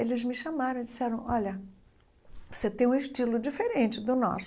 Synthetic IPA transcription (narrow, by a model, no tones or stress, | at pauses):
elɪzmɪʃamaɾɐ̃w̃id͡ʒisɛɾɐ̃w̃ɔlɐ | vo̥set̪ẽj̃ũɪʃt͡ʃilʊd͡ʒifeɾẽnt͡ʃɪd̪ʊnɔ̰s